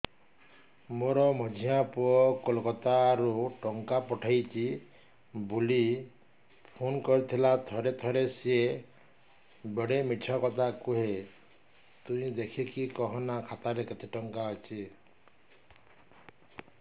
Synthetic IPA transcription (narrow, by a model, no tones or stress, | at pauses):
moɾɔmɔd͡ʒʱiãpuɔkolkɔt̪aɾuʈɔŋkapɔʈʰajt͡ʃʰi | buli | pʰonkɔɾit̪ʰilat̪ʰɔɾet̪ʰɔɾesie | beɽemiʈʰɔkɔt̪ʰakuɦe | t̪ũĩd̪ekʰikʰikɔɦɔnakʰat̪aɾekit̪ʰiʈɔŋkaɦɔt͡ʃʰi